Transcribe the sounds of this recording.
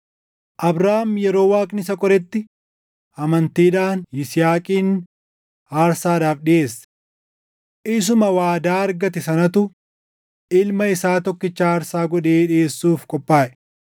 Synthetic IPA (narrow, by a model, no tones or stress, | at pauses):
ʔɐbɾaːmjɛɾo̞ːwaːkʼnɪsɐkʼɔɾɛt̪ːɪ | ʔɐmɐnt̪iːᶑaːnɪsɪjaːkʼiːn | aːɾsaːd̪aːfɗɪʔe̞ːsːɐ̥ | ʔɪs̬ʊmɐwaːd̪aːɐɾɡɐt̪ɛsɐnɐt̪ʊ | ʔɪlmɐɪsaːt̪ɔkːɪt͡ʃːaːɐɾsaːɡɔᶑeːᶑɪeːsːuːfkʼɔpʼːaːʔɛ̥